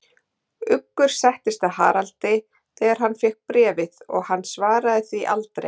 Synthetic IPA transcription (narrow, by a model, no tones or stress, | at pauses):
ʏkːʏɾ̥sɛht̪ɪst̪aha̰ːɾalt̪ɪ | θɛːɣaɾ̥ɦanːfjɛhk̚pɾɛːvɪðɔ̰ɣhanːsvaːɾaðɪθiʔa̰lt̪ɾḛjj